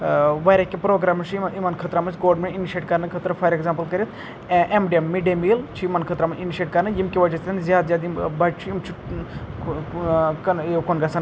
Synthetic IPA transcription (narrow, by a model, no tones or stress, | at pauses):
ʋɐɾekʲːepɾoːɡɾaːmɐt͡ʃʰiimɐnkʰɐt̪ɾamɐsʲɡoːɖmeiniʃeːʈ̚kɐɾnɨkʰət̪ɾɐfʰɐɾekzaːmpəlkɐɾʲet̪ʰ | ʔemɖiemːiɖiemiːlt͡ʃʰijimɐnkʰɐt̪ɾamɐiniʃeːʈkɐɾnɨjimkʲiʋɐd͡ʒɐt̪ʲt̪ɐnzjaːd̪zjaːd̪imbɐt͡ʃʰujimt͡ʃʰu | kɐnekonɡɐsɐn